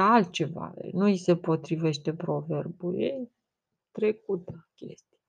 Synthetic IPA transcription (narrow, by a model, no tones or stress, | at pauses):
alt̪̚t͡ʃe̞va̰nuise̞po̞t̪ɾive̞ʃt̪e̞pɾo̞ve̞rbule | t̪ɾe̞k̚ut̪kʲḛst̪i̥ja